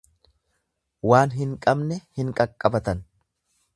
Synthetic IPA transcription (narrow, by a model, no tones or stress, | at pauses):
waːnɦɪŋkʼɐbnɛhɪŋkʼɐkʼːɐbɐt̪ɐn